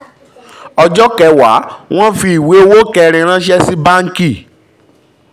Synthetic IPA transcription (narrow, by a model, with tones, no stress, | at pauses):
ɔ˧d͡ʒɔ˦kɛ˨˦wa̰˨˦w̃ɔ̃˦fi˧i˨we˨˦wo˦kɛ˧ɾ̃ĩ˧ɾ̃ã˦ʃɛ˦si˦ba˦ŋ̩˦ki˦˨